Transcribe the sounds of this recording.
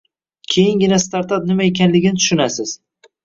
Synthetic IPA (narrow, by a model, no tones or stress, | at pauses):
kʲʰe̞jɪŋɡʲɪnast̪aɾt̪ap̚nɪmaekʲʰanlɪɡʲɪnɪt̪ʰʊ̥ʃʊnasɪz̥